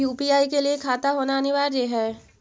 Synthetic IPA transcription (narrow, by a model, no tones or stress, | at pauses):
uːpiaːikeliekʰaːt̪aɦoːnaɐnɪʋaːɾjeːɦɛː